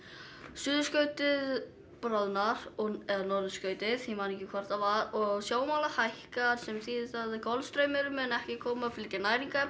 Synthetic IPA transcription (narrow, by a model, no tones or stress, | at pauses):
sʏːðʏskœːɥt̪ɪð | pɾɔðnaɾ̥ɔɛðanɔɾðʏskœːɥt̪ɪðhimanɛcːɪkʰvɔr̥t̪avaɾɔɣsjoːwmaːlahajhkaɾ̥sɛmθiːðɪθaðkʰɔlst̪ɾœɥmɪɾʏmɛnɛhcɪkʰɔːmaflɪc̪ɪnaːjɾiŋka